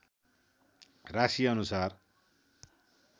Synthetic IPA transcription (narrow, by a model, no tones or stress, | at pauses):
rasiʌnusar